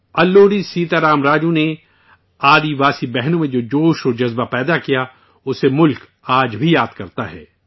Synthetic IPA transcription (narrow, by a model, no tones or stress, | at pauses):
ɐlːoːɾisiːt̪aɾaːmɾaːd͡ʒũne | aːd̪iʋaːsibɛɦnõmẽd͡ʒoːd͡ʒoːʃoːd͡ʒɐzbapɛːd̪akija | ʊsemʊlk | aːd͡ʒbʱijaːd̪kɐɾt̪aɦɛ̰ː